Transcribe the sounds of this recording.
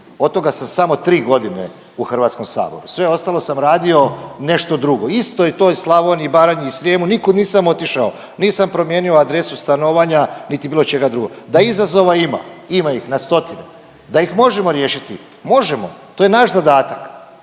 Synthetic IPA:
o̞t̪t̪o̞ɡasamsamo̞t̪ɾiːɡo̞d̪inḛ | uxr̩ʋat̪sko̞msa̰ːbo̞̰ɾusʋe̞o̞st̪alˠo̞samɾaːd̪io̞ne̞ʃt̪o̞d̪ɾuɡo̞ist̪o̞jet̪ojslˠaʋonibaːɾaɲeisɾjemunikod̪niːsamo̞t̪iʃao | niːsampɾo̞mjeːnioad̪ɾe̞sust̪ano̞ʋaɲanit̪ibiːlot͡ʃe̞ɡad̪ɾuɡo̰d̪aizazo̞ʋaima̰imaixnast̪o̞t̪ine | d̪aixmo̞ʒe̞mo̞ɾje̞ːʃit̪i | mo̞ʒemo̞̰t̪oːjenaʃzad̪aːt̪ak

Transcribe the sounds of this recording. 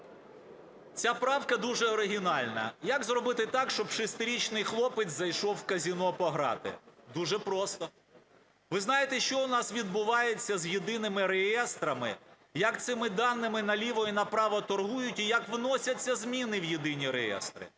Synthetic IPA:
t͡sʲapɾɑwkɐd̪uʒɛɔɾɪɦʲinɑlʲnɐ̰jɐkzrɔbɪt̪ɪt̪ɑkʃt͡ʃɔbʃɪst̪ɪɾʲit͡ʃnɪjxlˠɔpɪzɐjʃɔwkɐzʲinɔpɔɦɾɑ̰t̪ɪ̰d̪uʒɛpɾɔst̪ɔ | ʋɪznɑjet̪ɛʃt͡ʃɔʊnɑsʋʲid̪̚bʊʋɑjet͡sʲːɐzjid̪ɪnɪmɪɾejɛst̪ɾɐmɪ̰ | jɐkt̪sɪmɪd̪ɑnːɪmɪnɐlʲiʋɔjinɐpɾɑʋɐt̪ɔrɦujʊtʲijɐkʋnɔsʲɐt͡sʲːɐzmʲinɪwjid̪ɪnʲiɾejɛ̰st̪ɾɪ̰

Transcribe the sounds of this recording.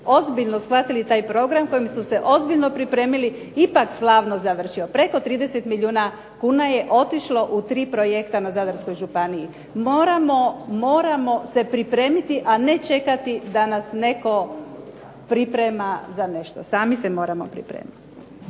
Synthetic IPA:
o̞zbiʎno̞sxʋat̪ilit̪aːjpɾo̞ːɡɾamko̞jimsuse̞ʔo̞zbiʎno̞pɾipɾe̞ːmili | ipakslaːʋno̞zaʋr̩ʃio̞pɾe̞ko̞t̪ɾiːd̪e̞set̪miʎuːna | kuːnaje̞ʔo̞t̪iʃlo̞ʔut̪ɾiːpɾo̞je̞kt̪anazad̪aɾsko̞jʒupaniji | mo̞ːɾamo̞mo̞ːɾamo̞se̞pɾipɾe̞ːmit̪iʔane̞t͡ʃe̞kat̪id̪anasne̞ko̞ | pɾipɾemazane̞ʃt̪o̰saːmisemo̞ːɾamo̞̰pɾḭpɾḛːmit̪i

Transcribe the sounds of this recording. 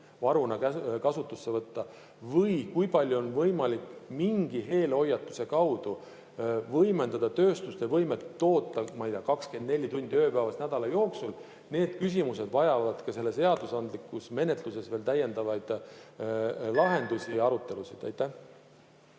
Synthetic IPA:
vɑɾunɑkækɑsut̪ːˑusːevɤt̪ːɑ | vɤjkujpɑlʲːjuonvɤjmɑlikmiŋɡ̥iɦe̞ːlo̞jːɑt̪ːˑu̥se̞kɑwd̪̥u | vɤjme̞nd̪ɑd̪̥ɑt̪ø̞ːst̪ust̪e̞vɤjmet̪ːo̞ːt̪ːˑɑmɑijt̪ieɑkɑkske̞nd̪ne̞lʲːit̪unʲd̪̥ʲiø̞ːpæːvɑsnæd̪̥ɑlɑjo̞ːksul | ne̞ːd̪̥kys̬ʲimuse̞d̪vɑjɑvɑd̪̥kɑse̞lːe̞seɑd̪̥usɑnd̪likːˑusme̞ne̞t̪ˑluse̞sveːlt̪æje̞nd̪ɑvɑjd̪̥ | lɑɦe̞nd̪̥usijɑɾut̪ˑːe̞lusid̪̥æ̰jt̪ːˑæh

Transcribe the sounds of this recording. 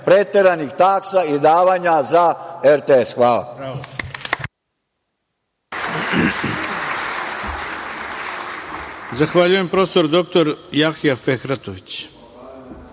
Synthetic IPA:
pɾet̪eɾanixt̪aksaid̪aːʋaːɲazaeɾt̪eesxʋaːla̰ | zaxʋaʎuje̞mpɾo̞ːst̪o̞ɾd̪o̞k̚t̪o̞ɾjaxijafexɾat̪oʋit͡ɕ

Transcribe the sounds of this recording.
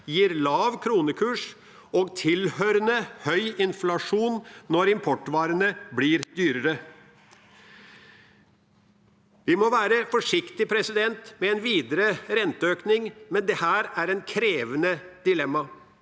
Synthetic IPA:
jiːɾlɑːʋkʰɾuːnəkʰʉːʂ | ɔːɡt̪ʰɪlhœɾənəhœʏɪnflɑʂuːnːɔɾɪmpʰɔʈːʋɑːɾənəbliːɾd̪yːɾəɾə | ʋɪmɔʋæːɾəfɔʂɪkt̪ɪpʰɾɛsɪd̪ɛnt̪mɛɛnʋiːd̪əɾəɾɛnt̪əøːknɪŋmɛnd̪ɛhæːɾæɾɛnkʰɾeːʋənəd̪̥ɪlɛmːɑ

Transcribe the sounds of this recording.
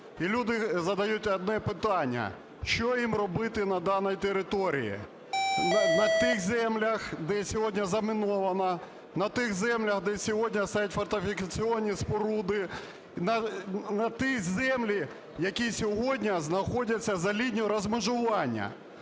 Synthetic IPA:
ilʲud̪ɪzɐd̪ɐjutʲɐd̪̚nɛpɪt̪ɑnʲːɐ̰ | ʃt͡ʃɔjimrɔbɪt̪ɪnɐd̪ɑnɔjit̪eɾɪt̪ɔɾʲḭjḭ | nɐt̪ɪxzɛmlʲɐxd̪ɛsʲɔɦɔdʲnʲɐzɐmɪnɔʋɐnɐ | nɐt̪ɪxzɛmlʲɐxd̪ɛsʲɔɦɔdʲnʲɐst̪ajɛtʲfɔrt̪ɪfʲɪkɐt͡sʲiɔnʲːispɔɾud̪ɪ | nɐnɐt̪izɛmlʲi | jɐkʲisʲɔɦɔdʲnʲɐznɐxɔdʲɐt͡sʲːɐzɐlʲinʲɔɾɐzmɪʒʊʋɑnʲːɐ̰

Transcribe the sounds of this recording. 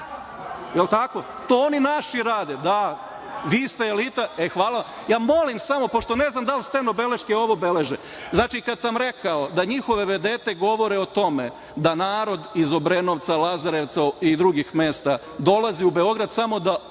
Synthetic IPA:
jelt̪ako̞ | t̪ooninaʃiɾaːd̪ed̪a | ʋiːst̪eːlit̪aexʋaːlˠaa | jaːmo̞limsamo̞po̞ʃt̪one̞znamd̪alst̪enobe̞le̞ʃkeo̞ʋo̞be̞le̞ʒe | znaːt͡ʃikad̪samɾe̞kao̞d̪aɲixo̞ʋe̞ʋe̞d̪eːt̪eɡo̞ʋo̞ɾeot̪o̞me | d̪anaːɾo̞d̪izo̞bɾenoʋt̪salazaɾe̞ʋt̪said̪ɾuɡixme̞ːst̪a | d̪o̞lˠaziube̞o̞ɡɾad̪samo̞d̪a

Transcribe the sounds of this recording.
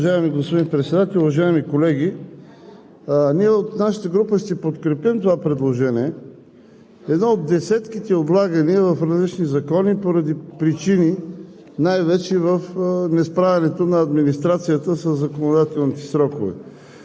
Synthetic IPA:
ʒaimiɡospod̪inpɾɛt̪sɛd̪at̪ɛlʲuvɐʒaimikolɛɡʲi | niɛot̪naʃə̥t̪əɡɾupəʃt̪ɛpot̪kɾɛpimt̪ovapɾɛd̪lˠoʒɛniɛ | ɛd̪nɔod̪ːɛsɛt̪kit̪ɛod̪lˠaɡəniəvɐfɾɐzlit͡ʃnizɐkɔnipoɾɐd̪ipɾit͡ʃini | najvɛt͡ʃɛvəfnɛspɾavʲɛnɛt̪onɐːd̪minist̪ɾat̪sijət̪əsəzːɐkonod̪at̪ɛlˠnit̪ɛ̥sɾɔkovɛ̰

